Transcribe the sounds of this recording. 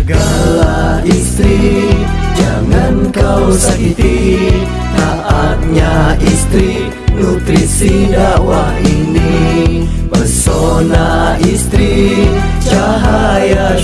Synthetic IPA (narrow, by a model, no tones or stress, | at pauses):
ɡalaist̪ɾi | d͡ʒaŋankawsakit̪i | t̪aʔat̪̚ɲaʔist̪ɾi | nut̪ɾisidawa | ini | bəsɔnaʔist̪ɾi | t͡ʃa | ɦa | ja